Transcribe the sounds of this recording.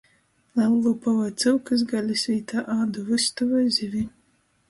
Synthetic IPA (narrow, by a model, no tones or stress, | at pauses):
lalˠːupavajt̪sɨwkɨs̬ɡalʲisʲviːt̪aʔaːd̪uvɨst̪uvajzʲivʲi